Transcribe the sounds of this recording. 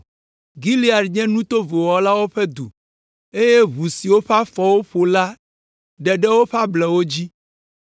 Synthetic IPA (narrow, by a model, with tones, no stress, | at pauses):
ɡi˦li˦a˨ɖɲɛ̃˦nũ˦t̪o˦vo˨wɔ˨la˦wo˦ɸɛ˦d̪ṵ˨ | e˦je˦βu˨si˨wo˦ɸa˦fɔ˨wo˦ɸo˨la˦ | ɖɛ˨ɖɛ˦wo˦ɸa˦blɛ˨wo˦d͡ʑi˦